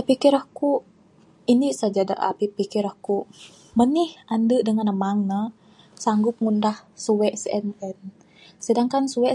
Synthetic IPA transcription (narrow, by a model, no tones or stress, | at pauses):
təpikiɾəhkuʔ | inisad͡ʒada̰ʔa̰pipikiɾəhkuʔ | mənihʔandəʔdəŋanəmaŋnə | saŋɡʊp̚ŋundahsuwɛʔsəɛnɛn | sədaŋkansuwɛ